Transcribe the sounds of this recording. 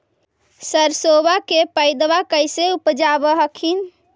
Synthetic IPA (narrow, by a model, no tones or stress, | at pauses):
səɾsobakepəjd̪bakəjseupd͡ʒabəɦəkʰin